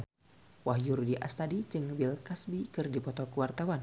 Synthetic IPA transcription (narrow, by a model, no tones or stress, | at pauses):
wahjurdiʔa̰st̪adid͡ʒɨŋbɪlkasbikɨrdipɔt̪ɔkəwart̪awan